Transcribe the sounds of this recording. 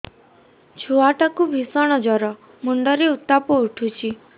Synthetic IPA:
d͡ʒʰʱuaʈakubʱisɔɽ̃ɔd͡ʒɔɾɔ | muɳɖɔɾeut̪ːapɔuʈʰut͡ʃʰi

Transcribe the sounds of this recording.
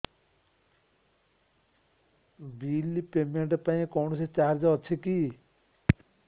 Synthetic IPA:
biːlipeːmeɳʈpaĩkɔwnset͡ʃaːɾd͡ʒɔt͡ʃʰeki

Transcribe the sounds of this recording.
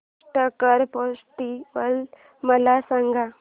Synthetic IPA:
ʈəkəɾpɔsʈiʋəl | məlasãŋɡʱa

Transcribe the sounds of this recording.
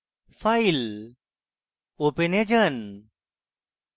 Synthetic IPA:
fail | opened͡ʒən

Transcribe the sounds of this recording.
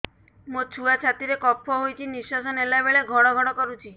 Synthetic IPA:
mot͡ʃʰuat͡ʃʰat̪iɾekɔpʰːɔɦojt͡ʃʰinisɔsɔnelabeɭeɡʱɔɽ̃ɔɡʱɔɽ̃ɔkɔɾut͡ʃʰi

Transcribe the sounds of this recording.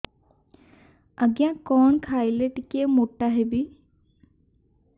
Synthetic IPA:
əɡjãːkɔːnkʰaːileʈɪkemoːʈaɦɛbiː

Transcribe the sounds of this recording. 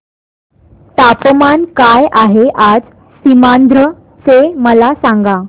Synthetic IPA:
t̪apəmankajʔaɦeʔad͡z | simand̪ɾə | t͡seməlasãŋɡa

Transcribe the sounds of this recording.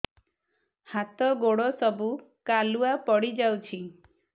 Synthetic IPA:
hat̪ɔɡoɽɔsɔbukaluapɔɽid͡ʒawt͡ʃʰi

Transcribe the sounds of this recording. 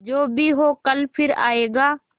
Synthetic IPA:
d͡ʒoːbʱiːɦoːkəlpʰɪɾa̰ːeːɡaː

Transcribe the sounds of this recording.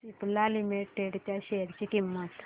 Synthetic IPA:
siplalimiʈːeɖt̪jaɕejəɾt͡ɕikimːət̪

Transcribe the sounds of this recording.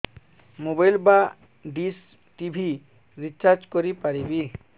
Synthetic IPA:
mobajlba | ɖis | ʈibʱi | ɾit͡ʃaɾd͡ʒkoɾipaɾibi

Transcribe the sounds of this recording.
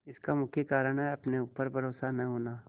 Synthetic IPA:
ɪskamʊkʰjəkaːɾəɽ̃ɦɛɐpneupəɾbʱɐɾoːsanɐɦoːnaː

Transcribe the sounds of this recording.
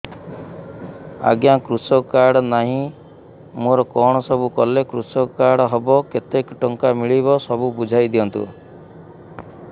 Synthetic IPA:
a̰ɡjakɾusɔkaɾɽɔnaɦĩ | moɾɔkɔɽ̃ɔsɔbukɔlekɾusɔkaɽɔɦebɔket̪ekʈɔŋkamiɭibɔsɔbubud͡ʒʱajd̪iɔnt̪ṵ

